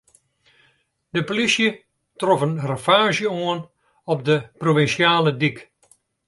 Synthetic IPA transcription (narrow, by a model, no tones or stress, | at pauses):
dəpolisjə | trɔfənrəfaːʒjəoən | ɔp̚dəproʋinsjaːlədik